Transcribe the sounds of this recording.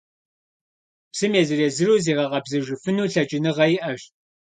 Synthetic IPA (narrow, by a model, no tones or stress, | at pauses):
psɨmeːzɨreːzɨɾuːziːʁɐʁɐbzɨʒɪfɨnuːɬɐt͡ʃʼɪnɨʁɐjɪʔɐɕ